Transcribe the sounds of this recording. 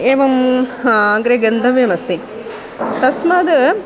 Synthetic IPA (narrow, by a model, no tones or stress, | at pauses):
eːʋɐm | aŋɡɾeɡɐnd̪ʱɐʋjemɐst̪i | t̪ɐsmɐd̪ɨ